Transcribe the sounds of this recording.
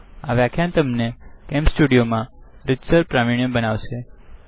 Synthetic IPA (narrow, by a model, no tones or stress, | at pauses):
aʋjakʰjãnt̪əmnekɛmpsʈuɽijomãɾɪd͡ʒsəɾpɾamiɳ̃jə̃bənaʋʃe